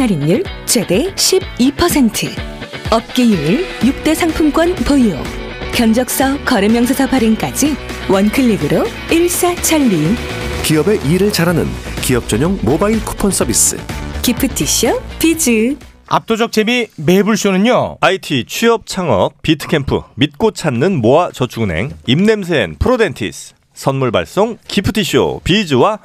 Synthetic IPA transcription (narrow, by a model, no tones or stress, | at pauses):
aɾinːuɭt͡ɕwe̞de̞ɕʰib̚ipʰʌsʰe̞ntʰɯʌp̚k͈ejumiɭjuk̚t͈e̞sʰaŋpʰumkwʌnpɯio̰ | kjʌnd͡ʑʌk̚s͈ʌkʌɾɯmjʌŋs̬ʰʌsʰʌpʰaɾɯnk͈ad͡ʑi | wʌnkʰɯɭːiɡɯɾo | iɭs͈at͡ɕʰʌɭːi | kiʌbe̞ʔiɾɯɭt͡ɕaɾɦanɯ̰nkiʌp̚t͡ɕ͈ʌɲoŋmobaiɭkʰu̥pʰʌns͈ʰʌɾbis͈ɯ̰kipʰɯtʰiɕɯpid͡ʑɯa̰p̚t͈od͡ʑʌk̚t͡ɕ͈emimebuɭɕ͈onɯɲoaitʰit͡ɕʰiʌp̚t͡ɕʰaŋʌ̰k̚p͈itʰɯ̥kʰe̞mpʰɯ̰mit̚k͈ot͡ɕʰanːɯnmoat͡ɕʌt͡ɕʰuɡune̞̰ŋimne̞msʰenpʰɯɾodentʰḭs | s͈ʰʌnmuɭba̰ɭs͈oŋkʰipʰɯtʰiɕʰio̰pid͡ʑɯwa